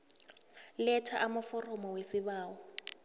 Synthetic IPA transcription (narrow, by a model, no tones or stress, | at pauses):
lɛtʰaʔamʊfɔrɔmɔwesɪβaːwɔ